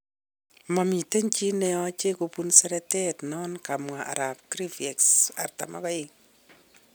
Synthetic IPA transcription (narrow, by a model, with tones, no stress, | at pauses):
ma˨mi˨te˦nt͡ʃi˦nɛ˨ɔ˦t͡ʃe˦ko˨pu˦nsɛ˦ɾɛ˦tɛ˦tnɔ˦nka˨mwa˨ʔa̰˨ɾa˨p̚kɾi˦fe˨ksa̰˨rta̰˨mʔa̰˦ka˦jɪŋ